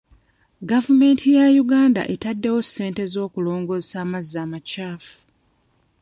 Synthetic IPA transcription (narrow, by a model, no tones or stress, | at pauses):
ɡavume̞ːntʰijajuɡaːnda̰ʔetadːe̞wo̞sːe̞ːnte̞zo̞ːkulo̞ːŋɡo̞zesaːmazaːmacaːfu̥